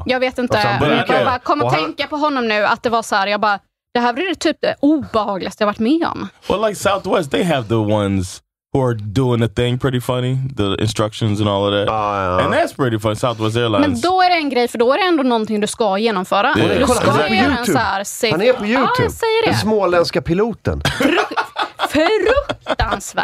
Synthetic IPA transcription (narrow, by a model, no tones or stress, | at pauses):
jɑːɡveːt̪ɪnt̪əbbɑkʰɔmːat̪ʰɛŋkapɔɦɔnːɔmnʉ̟ːa̰t̪̚d̪ɛvasɔɦæːɾjɑːɡbɑː | d̪̥ɛɦæːɾvɾɪɾt̪ʰyːp̚d̪ɛʔuːbɛhɑːɡlɪɡast̪ɛhavaʈːmɛɔ̰mwɛ̰laɪksaʊθwɛst̪̚ðeɪəvðəwʌ̃nz̥ | huə˞duɪ̃ŋəθɪ̃ŋpʰɹ̥ɪɾifʌniðəɪ̰̃nstɹ̥ʌkʃə̃nzə̃nɔlˠəvðætɨ̃nðætspʰɹ̥ɪɾifʌ̃nisaʊθwɛs̬tɛɹlãmɛ̃nnzd̪ɔæɖɛɛnɡɾɛjfəɖɔæɾɛɛnd̪oːnɔnt̪ʰɪŋd̪ɵskajeːnɔmfœːɾad̪ | sɦæːɾsenpʰɔjʉʉ̰ːsɛjːəɖɛsmoːlɛ̃nskapʰɪluːt̪ə̰nɾfɾɵk̪̚t̪ansvæ̰ː